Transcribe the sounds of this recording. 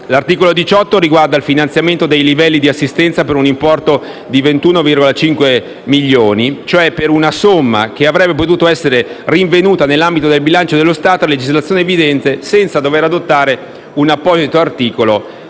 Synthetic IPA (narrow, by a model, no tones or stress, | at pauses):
lart̪iːkolod̪it͡ʃɔt̪ːoɾiɡward̪alfinant̪sjament̪od̪ejlivɛlːid̪iasːist̪ɛnt̪sapeɾunimpɔrt̪o | d̪ivent̪uːnovirɡolat͡ʃiŋkwe | miʎːoːnit͡ʃoɛpːeɾunasomːa̰k̟eavɾɛbːep̬ot̪uːt̪oɛsːeɾeriɱvenuːt̪anelːambit̪od̪elbilant͡ʃod̪elːost̪aːt̪oled͡ʒizlat̪sjoːneːvid̪ɛnt̪esɛnt̪sad̪oveɾad̪ot̪ːaːɾe | unapːɔːzit̪oart̪iːkolo